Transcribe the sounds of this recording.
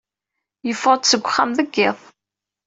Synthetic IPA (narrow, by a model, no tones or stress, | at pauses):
jəfəɾt̪səɡʷːχːæmðəɡːɪðˤ